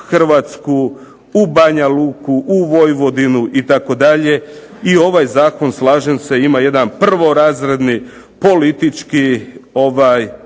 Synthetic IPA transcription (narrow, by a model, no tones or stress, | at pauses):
xr̩ʋaːt̪sku | ubaɲaluːkuʔuʋo̞jʋo̞d̪inuʔit̪ako̞d̪aʎe̞ | io̞ʋajzaːko̞nslˠaːʒemse̞imaje̞d̪anpr̩ʋo̞ɾaːzɾe̞d̪ni | po̞lit̪it͡ʃkio̞ʋaːj